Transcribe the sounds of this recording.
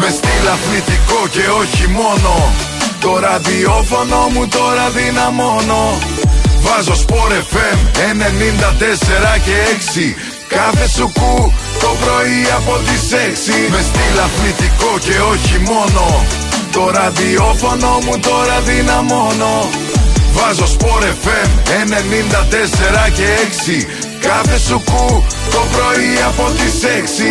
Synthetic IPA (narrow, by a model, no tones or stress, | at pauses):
ve̞st̪ilɐθnit̪iko̞ce̞o̞çimo̞no̞ | t̪o̞ɾɐðio̞fo̞no̞mut̪o̞ɾɐðinɐmo̞no̞ | vɐzospo̞ɾe̞fe̞mene̞nind̪ɐt̪e̞se̞ɾɐce̞eksi | kɐθe̞sukut̪o̞pɾo̞iɐpo̞t̪ise̞ksimest̪ilɐθnit̪iko̞ce̞o̞çimo̞no̞ | t̪o̞ɾɐðio̞fo̞no̞mut̪o̞ɾɐðinɐmo̞no̞ | vɐzo̞spo̞ɾe̞fe̞mene̞nind̪ɐt̪e̞se̞ɾɐce̞eksi | kɐθe̞sukut̪o̞pɾo̞iɐpo̞t̪ise̞ksi